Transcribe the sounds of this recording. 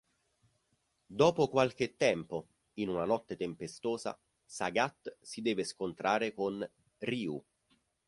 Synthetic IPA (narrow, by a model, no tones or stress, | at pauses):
d̪ɔːpokwalk̟et̪ːɛmpo | inunanɔt̪ːet̪empest̪oːza̰ | saɡat̪ːsid̪ɛːveskont̪ɾʔaːɾekon | riːṵ